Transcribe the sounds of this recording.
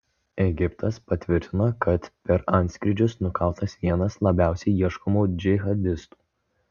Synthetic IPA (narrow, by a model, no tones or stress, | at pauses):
ɛɡʲɪpt̪ɐspɐt̪ʲʋʲɪɾʲt̪ʲɪnokɐt̪pʲɛɾɐˑnʲt̪sʲkɾʲɪd͡ʒʲʊsnʊkɑˑʊt̪ɐsʋʲiɛnɐslˠɐbʲæˑʊsʲɛɪiɛʃkɔmuːd͡ʒʲɪɣɐd̪ʲɪst̪u̥ː